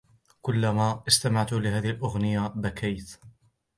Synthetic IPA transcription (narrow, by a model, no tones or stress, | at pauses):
kʊlːamaːʔɪst̪amaʕt̪ulɪhaːðɪhalʔʊɣnɪjabakʰajt̪